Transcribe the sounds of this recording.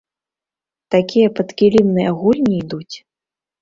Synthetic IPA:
t̪akʲijɐpɐt̪kʲilʲimnɨjɐɣulʲnʲiːd̪ut͡sʲ

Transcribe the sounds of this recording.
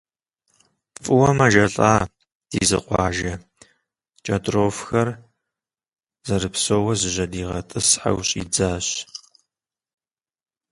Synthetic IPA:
fʼɨwɔmɐʒɐɬʼaː | d̥ḭːzɨ̰qʷɑ̰ːʒɐ | t͡ʃʼɐtʼroːfxɐr | zɐɾɨpsoːwɐzɨʑɐdiːʁɐtʼɨsħa̰wɕʼḭːd͡zaːɕ

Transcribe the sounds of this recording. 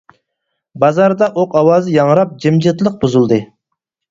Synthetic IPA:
bɑzɑɾd̪ɑʔoqɑwɑzɨjɑŋɾɑp̚d͡ʒemd͡ʒɪt̪lˠəq̚buzulˠd̪ɨ

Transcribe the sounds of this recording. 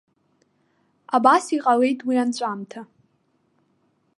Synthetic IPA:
abasiqʼale̞jtʰʼwiant͡ɕʷʼamtʰa

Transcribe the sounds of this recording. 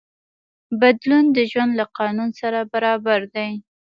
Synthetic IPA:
bad̪lund̪əʒwand̪laqɑnunsaɾabaɾɑbaɾd̪aj

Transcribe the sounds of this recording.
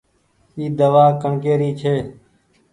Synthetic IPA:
iːd̪əʋaːkəɳkeːɾiːt͡ʃʰeː

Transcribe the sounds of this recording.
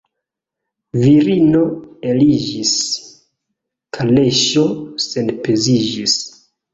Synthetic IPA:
viɾino̞e̞lid͡ʒis | kʰale̞ʃo̞se̞npe̞zid͡ʒis

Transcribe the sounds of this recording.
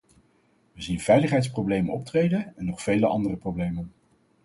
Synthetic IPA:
ʋəzinv̥ɛjləχɦɛjtsprowblejmənɔp̚trejdənɛnːɔχfejləʔɑndərəproblejmən

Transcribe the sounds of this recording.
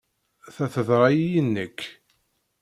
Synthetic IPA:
θæθəðɾˤɑjijənːəkː

